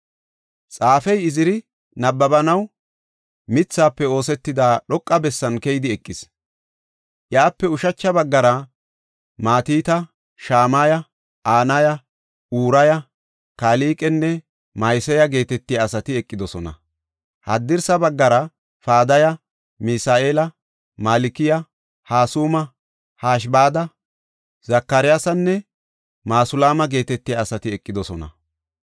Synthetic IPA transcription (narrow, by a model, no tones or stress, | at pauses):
t͡sʼaːfɛjɪzɪɾɪ | nɐbːɐbɐnɐw | mɪt͡sːaːpːɛo̞ːsɛt̪ːɪd̪aːɗɔkʼːɐbɛsːɐnkɛjd̪ɪɛkʼːɪs | ʔjaːpːɛʊʃɐt͡ʃːɐbɐɡːɐɾɐ | maːt̪iːt̪ɐ | ʃaːmaːjɐ | aːnɐjɐ | uːɾɐjɐ | kaːliːkʼɛnːɛ | mɐjsɛjɐɡe̞ːt̪ɛt̪ːɪjaːsɐt̪ɪɛkʼːɪd̪ɔsɔnɐ̰ | hɐd̪ːɪɾsɐbɐɡːɐɾɐ | faːd̪ɐjɐ | mɪsaːʔe̞ːlɐ | malɪkɪjɐ | haːsuːmɐ | haːʃ̬baːd̪ɐ | zɐkːɐɾɪjaːsɐnːɛ | maːsʊlaːmɐɡe̞ːt̪ɛt̪ːɪjaːsɐt̪ɪɛkʼːɪd̪ɔsɔnɐ̰